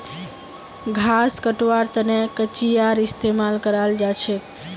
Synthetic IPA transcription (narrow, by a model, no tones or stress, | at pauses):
ɡʱaskəʈʋaɾt̪ənekət͡ʃijaɾist̪emalkəɾald͡ʒat͡ʃʰe